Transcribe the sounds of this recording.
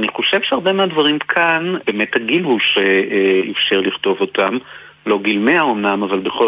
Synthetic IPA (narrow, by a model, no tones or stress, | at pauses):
aniχo̞ʃevʃeaʁbe̞meadvaʁimkʰanbe̞ːme̞thaɡilhuʃeḭfʃeʁliχto̞vo̞tʰam | lo̞ɡilmeaomnamavalbe̞χo